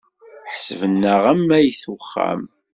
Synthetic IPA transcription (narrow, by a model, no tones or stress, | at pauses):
ħsəvənːəʁæmːæjiθwəχːæ̰m